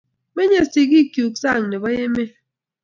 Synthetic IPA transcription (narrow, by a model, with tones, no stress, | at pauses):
me˦ɲe˦˨si˨k̬i˦kju˨k̚sa˦˨ŋne˨bɔ˦je˦me˦